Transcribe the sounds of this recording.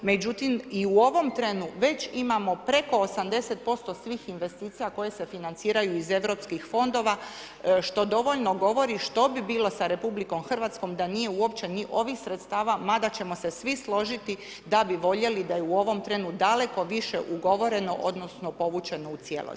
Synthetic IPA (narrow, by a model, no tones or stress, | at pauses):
me̞d͡ʑut̪imiuo̞ʋo̞mt̪ɾenuʋe̞t͡ɕimamo̞pɾe̞ko̞ːsamd̪e̞se̞t̪̚po̞st̪o̞sʋiːxinʋe̞st̪iːt̪sijako̞je̞se̞finant̪siːɾajuize̞ʋɾo̞pskixfo̞nd̪o̞ʋa | ʃt̪o̞d̪o̞ʋo̞ʎno̞ɡo̞ʋo̞ɾiʃt̪o̞bibiːlˠo̞saɾe̞publiko̞mxr̩ʋat̪sko̞md̪anije̞uo̞pt͡ɕe̞niʔo̞ʋixsɾet̪st̪aːʋamad̪at͡ɕe̞mo̞se̞sʋislo̞ʒit̪i | d̪abiʋo̞ʎe̞lid̪ajeuo̞ʋo̞mt̪ɾe̞nud̪ale̞ko̞ʋiʃeʔuɡo̞ʋo̞ɾe̞no̞ʔod̪no̞sno̞po̞ʋut͡ʃe̞no̞ut̪sijḛlo̰